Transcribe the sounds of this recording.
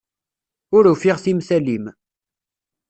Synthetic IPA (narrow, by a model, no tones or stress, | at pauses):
ʊɾufiʁθimsælim